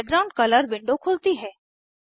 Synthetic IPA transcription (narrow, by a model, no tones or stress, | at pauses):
ɡɾaʊ̃ɳɖ̚kɐləɾʋɪ̃ɳɖokʰʊlt̪iɦɛː